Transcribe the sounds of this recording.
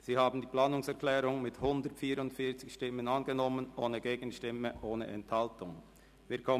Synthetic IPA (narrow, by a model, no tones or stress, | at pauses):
z̥iːhaːbn̩diːplaːnʊŋsɛʁklɛːʁʊŋmɪthʊndətfiːɾʊntfiːɐt͡sɪçʃtɪmənɑnɡənɔmənʔoːnəɡeːɡ̥ən̩ʃtɪməʔoːnə̰ʔɛnthaltʊŋ | viːɐkʰɔ